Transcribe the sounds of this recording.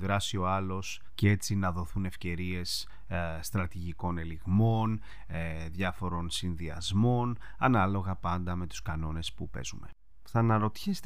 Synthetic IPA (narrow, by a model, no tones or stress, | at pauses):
ðɾɐsio̞ɐlo̞s | cee̞t͡sinɐðo̞θune̞fce̞ɾie̞s | st̪ɾɐt̪iʝiko̞ne̞liɣmo̞n | ðʝɐfo̞ɾo̞nsinðiɐ̰zmo̞n | ɐnɐlo̞ɣɐpɐnd̪ɐme̞t̪u̥skɐno̞ne̞spupe̞̰zume̞̰ | θɐnɐɾo̞t̪çest̪